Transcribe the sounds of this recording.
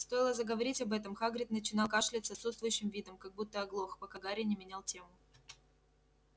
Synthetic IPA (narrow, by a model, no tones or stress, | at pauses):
st̪o̞jɪlˠəzəɡəvɐɾʲitʲɐbɛt̪əmxaɡɾʲɪt̪nət͡ɕɪnɑlˠkaʂlʲɪt̪sɐt̪sut̪st̪vʊjʉɕːɪmvʲid̪əmkɐɡ̚but̪ːəɐɡlˠoxpɐkaɡaɾʲɪnʲɪmʲɪnʲalˠtʲemʊ